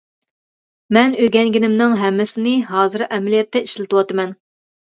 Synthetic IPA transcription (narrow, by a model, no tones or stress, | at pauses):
mɛnøɡʲɛŋɡʲinɪmnɪŋɦɛmːɪsɪnɪɦɑːzɨɾʔɛmɪlijɛt̪ʰːɛiʃlɪt̪ɨwɑt̪ɨmɛn